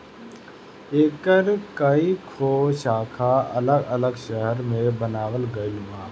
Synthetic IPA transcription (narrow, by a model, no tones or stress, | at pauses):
eːkəɾkəikʰoːʃaːkʰaɐləɡələɡʃəɦəɾmẽbənaːwəlɡəɪlmãː